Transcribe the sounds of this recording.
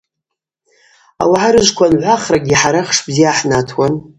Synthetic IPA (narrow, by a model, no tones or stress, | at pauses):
a̰waʕaɾɨʒʷkʷʰanʕʷaχraɡʲiħaɾaχʂbzijaħnatʰwan